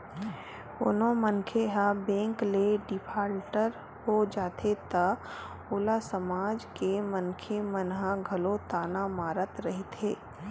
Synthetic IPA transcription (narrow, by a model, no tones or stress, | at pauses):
ʊnõmənkʰeɦabẽːŋkleɖɪpʰaːɾʈəɾ | ɦod͡ʒaːt̪ʰet̪a | ʊːlasəmaːd͡ʒkemənkʰemənɦãɡʱəlot̪aːnamaːɾət̪ɾəɦit̪ʰeː